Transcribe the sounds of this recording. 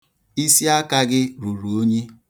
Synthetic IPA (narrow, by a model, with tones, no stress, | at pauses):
i˦si˦a˦ka˦ɡɪ˦ɾu˨ɾu˨o˦ɲe˦